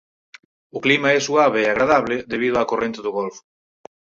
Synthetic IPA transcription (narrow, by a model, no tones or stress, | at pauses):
ʊklimaɛsuaβ̞eːaɣɾaðaβlɪðeβ̞iðʊakorʔẽnt̪ɪðʊɣolfʊ̥